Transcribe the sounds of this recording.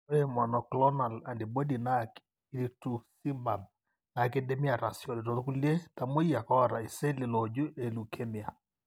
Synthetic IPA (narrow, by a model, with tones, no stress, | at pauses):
e˦ma˨nɔ˨klɔ˦na˨la˨ndi˨bo˦di˨na˦k | i˦li˦tu˨si˦mba˨b | na˨ke˦de˦mi˦a˨ɾa˨sjɔ˨li˨to˨tu˦ku˦lie˦ta˨mo˦ja˨kɔ˦˨ɾa˨i˨se˦lɪ˨lɔ˨d͡ʒu˦e˨lu˨kʰe˦mi˨a˨